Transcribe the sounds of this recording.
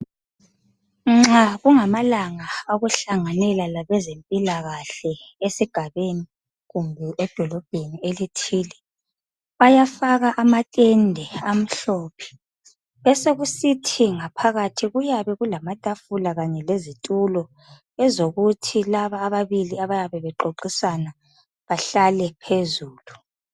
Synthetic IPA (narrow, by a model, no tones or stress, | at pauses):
ŋ͡ǁaɣuŋamalaŋaaɣuɬaŋanɛlalaβɛzempʼilaɣaɬɛ | esiɡ̥ʱaβeni | ɣumbʱɛʔɛd̥ʱɔlɔb̥̚ʱenielitʰiːlɛ | βajafaɣaʔamatʼɛndʱɛam̩ɬɔːpʰɛ̥ | ɛseɣusitʰiŋapʰaɣatʰiɣujaβɛɣulamatʼafulaɣaɲɛlezitʼulɔ | ɛzoɣutʰilaβaːβaβiliaβajaβɛβɛǃoǃisana | βaɬalɛpʰezuːlu